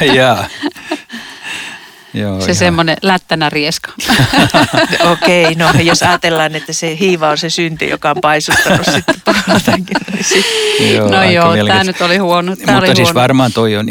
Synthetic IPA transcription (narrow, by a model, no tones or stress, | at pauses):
jɑː | joːsesemːonelæt̪ːænærieskɑ̥ | okeinojosɑːt̪elːɑːnet̪ːæsehiːʋɑonsesynt̪y̰jo̰kɑompɑisut̪ːɑnussit̪ːet̪uonɑt̪ɑŋkinnisijonojoːlt̪æːnyt̪olihuonot̪ːuoliːɑsiosʋɑrmɑːnt̪oion